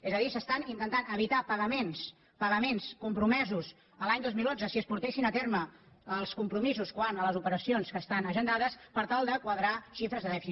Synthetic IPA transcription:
ezəðisəst̪anint̪ənt̪anəβ̞it̪apəɣəmens | pəɣəmenskumpɾumɛzus | əlaɲd̪ozmilˠonzəsiəspuɾt̪esinət̪eɾməəlˠskumpɾumizuskwanələzupəɾəsionskəst̪anəʒənd̪aðəspəɾt̪alˠd̪əkwəðɾaʃifɾəzðəðɛfi

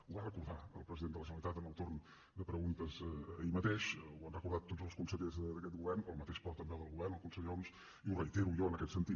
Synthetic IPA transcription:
uβarəkuɾðaəlˠpɾəziðenələʒənəlit̪at̪ənəlˠt̪orn | d̪əpɾəɣunt̪əzə̰imət̪eʃwanrəkuɾðat̪ːotd͡zəlˠskunsəʎəzðəd̪əkɛt̪̚ɡuβɛrnəlˠmət̪eʃpɔɾt̪əmbeðəlˠɣuβɛrnəlˠkunsəʎons | iurəjt̪eɾujɔənəkɛt̪sənt̪i

